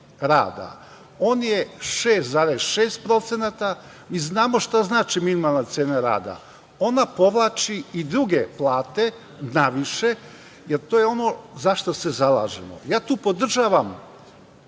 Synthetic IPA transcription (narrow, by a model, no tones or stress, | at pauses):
ɾa̰ːd̪a̰ | oːnjeʃeːst̪zaːɾesʃeːst̪̚pɾo̞t̪se̞nat̪a | miznaːmo̞ʃt̪aznaːt͡ʃiminimalˠnat̪seːnaɾa̰ːd̪a̰ | o̞napo̞ʋlˠaːt͡ʃiid̪ɾuɡe̞plˠaːt̪e̞ | naʋiʃe̞ | jeɾt̪oːjeo̞no̞zaʃt̪ose̞zalˠa̰ːʒḛmo̰jaːt̪uːpo̞d̪r̩ʒaːʋam